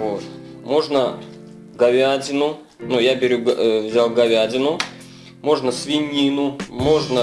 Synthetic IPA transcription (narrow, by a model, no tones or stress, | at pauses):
vot̪ | mo̞ʐnə | ɡɐvʲadʲɪnʊ | nujabʲɪɾʲuɡvzʲalˠɡɐvʲadʲɪnʊ | mo̞ʐnəsvʲɪnʲinʊmo̞ʐnə